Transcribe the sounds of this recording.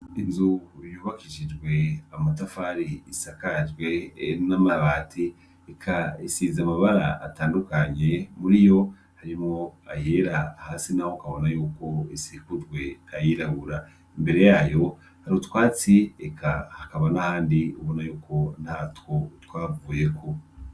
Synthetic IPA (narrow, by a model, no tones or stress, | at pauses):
inzujuːβakiʒid͡ʒɡwe̞amatafaɾiːsakaʒɡwe̞namaβatʰi | ekʰaisizamaβaɾa̰a̰taːndukaɲe̞muɾijo̞ | haɾimŋoajeɾahaːsinahokaβo̞najuːko̞isikud͡ʒɡwe̞ajiɾaβuɾa | imbe̞ɾe̞jaːjo̞ | haɾihotwaːt͡siekʰahakaβanahaːndiuβo̞najuːkʰo̞nhatwo̞twaːvuːje̞ko̞